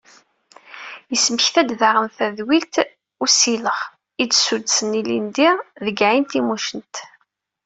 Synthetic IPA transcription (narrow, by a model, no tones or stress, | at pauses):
jəsməçθæd̪ðaʁəmθæðwilt̪ | ʊsiləʁ | idsud̪sənilḭnd̪iʁðəɡʕint̪imuʃənt̪